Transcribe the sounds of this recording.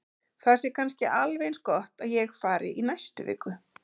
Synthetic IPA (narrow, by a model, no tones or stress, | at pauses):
θasɛɾkʰanscɪʔalvejnskɔht̪aðjɛxfaːɾɪ̰ʔinajst̪ʏ̰vɪ̰ːkʏ